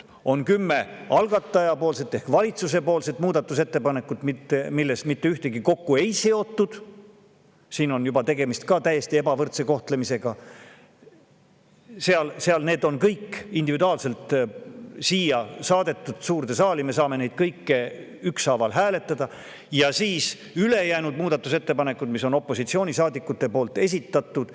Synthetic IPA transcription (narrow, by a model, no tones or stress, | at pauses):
o̞nkymːe̞ɑlɡ̥ɑt̪ːˑɑjɑpo̞ːlse̞t̪ːˑe̞hkvɑlʲit̪suse̞po̞ːlse̞t̪muːd̪̥ɑt̪ːˑuse̞t̪ːe̞pɑne̞kːˑut̪mit̪ːemilːe̞smit̪ːe̞yht̪e̞ɡ̥iko̞kːue̞jse̞o̞t̪ːud̪̥ | siːno̞njubɑt̪e̞ɡe̞mist̪̚kɑt̪æjːe̞st̪ie̞bɑvɤrt̪se̞ko̞ht̪lemise̞ɡ̥ɑ | seɑlseɑlne̞ːd̪o̞nkɤjkːind̪ivid̪uɑːlse̞lt̪ | siːjɑsɑːd̪e̞t̪ːˑud̪̥suːrt̪e̞sɑːlime̞s̬ɑːme̞ne̞jd̪̥kɤjkːe | yksɑvɑlɦæːle̞t̪ːˑɑd̪̥ɑ | jɑsiːs | yle̞jæːnud̪̥̚muːd̪̥ɑt̪ːˑuse̞t̪ːe̞pɑne̞kːud̪mis̬o̞no̞pːˑo̞sit̪sio̞ːnʲisɑːd̪ikːˑut̪ːˑe̞po̞ːlt̪ːˑe̞s̬ʲit̪ːˑɑt̪ːˑud̪̥